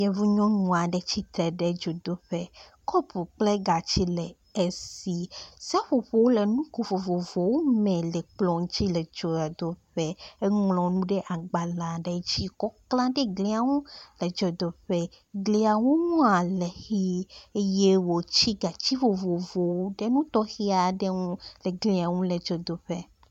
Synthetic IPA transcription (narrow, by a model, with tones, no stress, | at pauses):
jɛ˨vu˦ɲɔ̃˦ɲũ˨a˨ɖɛ˦t͡ɕi˦t̪ɾɛ˨ɖɛ˦d͡ʒo˨d̪o˦ɸɛ˦kɔ˦pu˨k͡ple˦ɡa˨t͡ɕi˦lɛ˨ | e˦si˨si˦a˦ɸo˨ɸo˨wo˦le˨nũ˦ko˨vo˨vo˨vo˨wo˦mɛ̃˨lɛ˨k͡plɔ̃˨ŋ˦t͡ɕi˦lɛ˨d͡ʒɔ˨a˨d̪o˦ɸɛ˦e˦ŋlɔ̃˨nũ˦ɖɛ˦ʔa˨ɡ͡ba˨la˨ɖɛ˦d͡ʑi˦kɔ˦klã˦ɖe˦ɡli˦a˨wũ˦le˨d͡ʒɔ˨d̪o˨ɸɛ˦ | ɡli˨˦a˨wu˦ŋɔ̃˦a˨le˨xi˦je˦wo˨t͡ɕi˦ɡa˨t͡ɕi˦vo˨vo˨vo˨wu˦ɖe˦nũ˦t̪ɔ˦xi˦a˨ɖe˦ŋũ˦lɛ˨ɡli˨a˨wũ˦le˨d͡ʒɔ˨d̪o˨ɸe˦